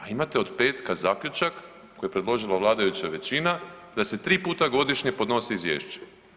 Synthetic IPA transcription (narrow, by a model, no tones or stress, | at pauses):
aimat̪eo̞d̪pe̞ːt̪kazaːkʎʲut͡ʃak | kːojepɾed̪lˠo̞ʒilˠaʋlˠaːd̪ajut͡ɕaʋe̞t͡ɕina | d̪ase̞t̪ɾiːpuːt̪aɡo̞d̪iʃɲe̞po̞d̪no̞siizʋje̞ːʃt͡ɕe̥